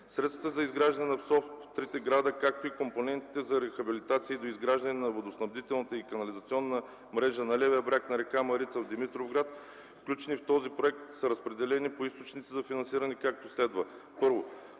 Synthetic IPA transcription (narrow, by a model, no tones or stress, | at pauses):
sɾɛt̪st̪ət̪əzɐizɡɾaʒd̪ɐnɛnɐfsɔft̪ft̪ɾit̪ɛɡɾad̪əkak̚t̪oikomponɛnt̪i̥t̪ɛzɐɾɛxɐbilit̪at̪siːd̪oizɡɾaʒd̪ɐnɛnɐvod̪osnɐbd̪it̪ɛlˠnət̪əikɐnɐlizɐt̪siɔnːə | mɾɛʒənɐlɛvɛjəbɾʲaknɐɾɛkamɐɾit̪səvd̪imit̪ɾovɡɾat̪ | fklʲut͡ʃɛnift̪ɔzipɾoɛk̚t̪sɐɾəspɾɛd̪ɛlɛnipoist̪ot͡ʃnit̪sizɐfinɐnsiɾɐnɛkak̚t̪oslɛd̪və | pɤɾvo